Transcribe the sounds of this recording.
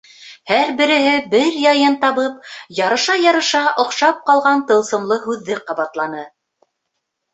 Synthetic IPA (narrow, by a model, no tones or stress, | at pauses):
hæɾbɘ̆ɾɘ̆ɦɘbɘɾjɑjɤnt̪ɑβɤp̚jɑɾɤ̆ʃɑjɑɾɤ̆ʃɑʔŏqʃɑp̚qɑlˠʁɑnt̪ɤ̆lˠsɤ̆mlˠɤɦʉðːɘqɑβɑt̪lˠɑnɤ